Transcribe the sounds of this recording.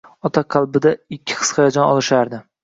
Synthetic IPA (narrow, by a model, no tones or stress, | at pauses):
ɒt̪ʰaqʰɑlˠbɪd̪aɪkʲʰːɪ̥χʰɨ̥sχɑjad͡ʒɒnɒlˠɪʃaɾd̪ɪ